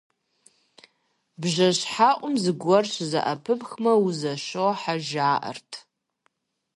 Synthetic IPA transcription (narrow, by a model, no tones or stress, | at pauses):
bʒɐɕħaːʔʷʼʊmzɨɡʷɔrɕzɐ̰ʔɐpʰɨpxmɐwuzɐʃoħaʒaːʔɐ̰rtʰ